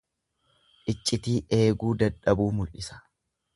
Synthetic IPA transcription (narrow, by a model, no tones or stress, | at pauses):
ʔɪt͡ʃʼːɪt̪iːʔe̞ːɡuːd̪ɐᶑɐbuːmʊlʔɪsɐ̥